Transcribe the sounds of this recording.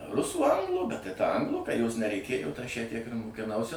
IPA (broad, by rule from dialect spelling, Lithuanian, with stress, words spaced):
ˈrʊsuː ˈɐŋɡlˠuː bʲɛt tɐɪ tɐ ˈɐŋɡlˠuː kɐ joːs nʲɛrʲɛɪˈkʲeːjʊ ɐʃ jæː tʲiɛk ɪr mʊkʲɪˈnɐʊsʲɪ